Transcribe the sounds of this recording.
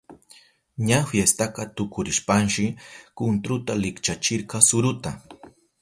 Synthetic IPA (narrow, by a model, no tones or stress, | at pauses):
ɲafjest̪aqɑt̪ʊkʊɾɪʃpanʃɪkʊnt̪ɾʊt̪alɪkt͡ʃat͡ʃɪɾqɑsʊɾʊt̪a